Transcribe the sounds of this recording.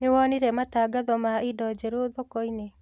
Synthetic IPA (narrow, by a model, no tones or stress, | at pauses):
newɔniɾɛmataɡaðɔmaidɔd͡ʒɛɾoðɔkɔine